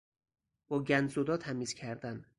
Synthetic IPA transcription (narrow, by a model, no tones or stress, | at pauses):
bɒːɟʲænd̪zod̪ɒːt̪ʰæmiːz̥cʰæɾd̪æn